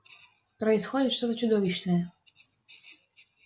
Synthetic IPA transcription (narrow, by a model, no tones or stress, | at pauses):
pɾɐisxɔdʲit̪ʂt̪ɔt̪ɔt͡ɕʊd̪ɔvʲiɕnəjɛ